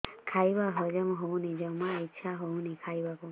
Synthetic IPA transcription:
kʰajbaɦɔd͡ʒəmɦɔwnid͡ʒəmaitːt͡ʃʰaɦownikʰajbaku

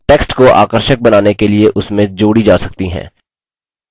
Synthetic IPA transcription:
ʈeːksʈkoʔa̰ːkəɾʃək̚bɐnaːnekelieʔʊsmẽd͡ʒoːɽid͡ʒaːsɐk̚t̪iɦɛ̰̃ː

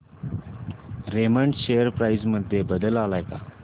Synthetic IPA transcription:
ɾeməɳʈɕejəɾpɾajd͡zməd̪ʱjebəd̪əlalajka

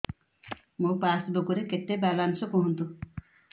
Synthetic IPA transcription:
mũpasbokuɾekeʈːebalansɔkɔɦɔnt̪u

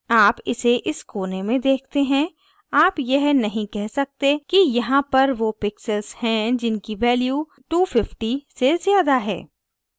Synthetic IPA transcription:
aːpɪseʔɪskoːnemẽd̪eːkʰt̪eɦɛ̃ | aːpjɐɦnɐɦĩkɛɦsɐk̚t̪ekijɐɦãpɐɾʋopɪksəlshɛ̃d͡ʒɪnkiʋɛːljuː | ʈuːfɪfʈisezjaːd̪aɦɛ̰ː

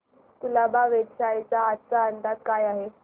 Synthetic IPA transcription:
kulabaʋeʈ̪ɕaet͡saːt̪t͡saənd̪ad̪̚kajaɦe

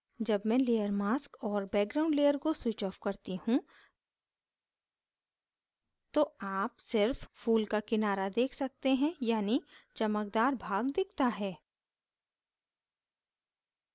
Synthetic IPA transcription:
d͡ʒɐbmɛ̃leːjəɾmaːskɔːɾbɛːk̚ɡɾaːʊ̃ɳɖleːəɾkoswɪt͡ʃɔːfkɐɾt̪ihũ | t̪oaːpsɪɾffuːlkakɪnaːɾad̪eːkʰsɐk̚t̪eɦɛ̃jaːnit͡ʃɐməkd̪aːɾbʱaːɡd̪ɪkʰt̪aɦɛː

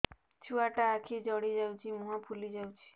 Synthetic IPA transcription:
t͡ʃʰuaʈaːkʰid͡ʒɔɽid͡ʒaũt͡ʃʰimuɦãpʰulid͡ʒaut͡ʃʰi̥

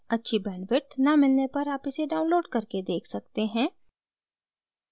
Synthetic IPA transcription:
ɐtːʃʰibɛ̃ːnʋɪʈnɐmɪlnepɐɾaːpɪseɖaːʊ̃nloːɖkɐɾked̪eːkʰsɐk̚t̪eɦɛ̃ː

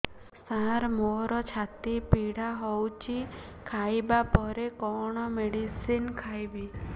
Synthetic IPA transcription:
saɾmoɾɔt͡ʃʰat̪ipiɽaɦɔwt͡ʃʰi | kʰajbapɔɾekɔɽ̃ɔmeɽisinkʰajbi

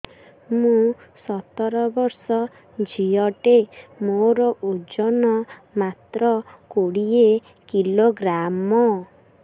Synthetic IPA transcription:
mũsɔt̪ɔɾɔbɔɾsɔ | d͡ʒʱijɔʈemoɾɔʔud͡ʒɔnɔmat̪ɾɔkoɽie | kiloɡɾamɔ

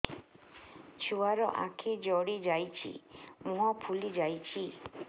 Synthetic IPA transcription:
t͡ʃʰuaɾɔʔakʰid͡ʒɔɽid͡ʒajt͡ʃʰḭmũɦɔpʰulid͡ʒajt͡ʃʰi

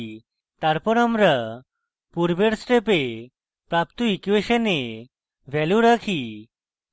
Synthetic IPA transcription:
t̪aɾpɔɾamɾa | puɾbeɽsʈepe | pɾapt̪oikueʃəne | bʱɛluɾakʰi

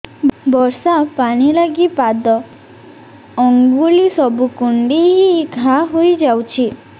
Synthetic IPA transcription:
bɔɾsapaɽ̃ilaɡipad̪ɔ | ɔŋɡulisɔbukuɳɖiɦiɡʱaɦojd͡ʒawt͡ʃʰi

